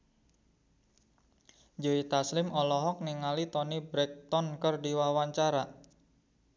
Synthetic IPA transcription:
d͡ʒoit̪aslɪmɔlɔɦɔk̚niŋalit̪ɔnibɾɛk̚t̪ɔnkərdiwawaɲt͡ʃaɾa

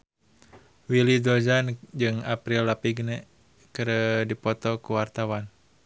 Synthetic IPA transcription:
wilidɔd͡ʒand͡ʒɨŋapɾilːapiɡ̚nɛ | kəɾədipɔt̪ɔkuwart̪awan

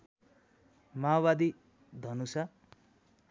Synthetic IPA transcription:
mawbad̪i | d̪ʱʌnusa

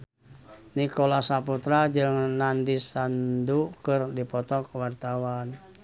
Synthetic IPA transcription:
nikolasaput̪ɾad͡ʒɨŋnandisandukɨrdipɔt̪ɔkwart̪awan

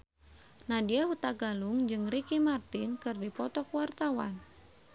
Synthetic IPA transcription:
nadiahut̪aɡaluŋd͡ʒɨŋrikimart̪inkɨrdipɔt̪ɔkwart̪awa̰n

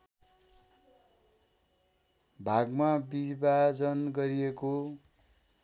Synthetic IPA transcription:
bʱaɡmabibad͡zʌnɡʌɾieko

